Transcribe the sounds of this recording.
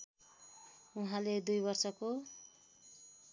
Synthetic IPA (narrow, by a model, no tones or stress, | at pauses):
uɦãled̪ujbʌrsʌko